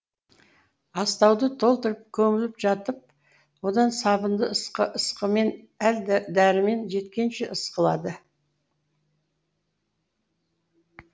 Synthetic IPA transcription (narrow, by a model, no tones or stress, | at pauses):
ɑst̪ɑwd̪ət̪ʰo̞lˠt̪əɾəp̚kʲʰɵmɪlɪpʒɑt̪əp̚ | wo̞d̪ɑnsɑbənd̪əsqəəsqəme̞n | æld̪d̪æɾɪme̞nʒe̞t̪kʲe̞nʃeʔəsqəlˠɑ̰d̪ə